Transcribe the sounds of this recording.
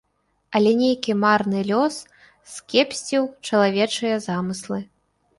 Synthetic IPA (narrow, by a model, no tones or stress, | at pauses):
ɐlʲɛnʲejkʲimarnɨlʲɔs | skʲɛpsʲt͡sʲiwt͡ʂɐlˠavʲɛt͡ʂɨjɐzamɨslˠɨ